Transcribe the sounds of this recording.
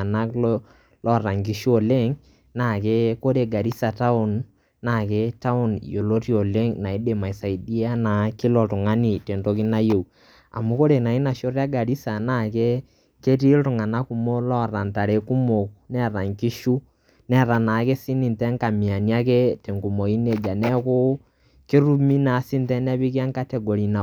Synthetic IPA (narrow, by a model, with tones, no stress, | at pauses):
na˦kl | lɔ˦˨ɾa˨ŋki˦ʃu˦ɔ˨le˦ŋ | na˦˨ke˦ko˦ɾe˨ɡa˨ɾi˦sa˨ta˦o˨n | na˦˨kɛ˦ta˦o˦˨n˨jo˨lo˦ti˦o˨le˦ŋna˨i˦de˨ma˨i˨sa˨i˨di˦a˦na˨kɪ˦lɔ˨tʊ˨ŋa˦nɪ˨te˨ndo˦k̬ɪ˦na˦je˨w | a̰˨mu˦ko˦ɾe˨na˨ɪ˦na˨ʃo˦rja˦ɡa˨ɾi˦sa˨na˦˨ke˦ | ke˦ti˦tʊ˨ŋa˨na˦ku˨mo˦lɔ˦˨ɾa˨nta˨ɾe˨ku˦mo˨knɛ˦ɾa˨ŋki˦ʃu˦ | nɛ˦ɾa˨na˨˦ke˦si˦ni˨ntɛ˦ŋka˨mi˨a˨ni˦a˦k̬ɛ˦te˨ŋɡu˨mo˨i˦ne˦d͡ʒa˨nɛ˦kʊ˦ | ke˦ɾu˦mi˦na˨˦sɪ˦ntɛ˦nɛ˦βi˦ka˦ŋka˦tɛ˨ɡo˨ɾi˨na˨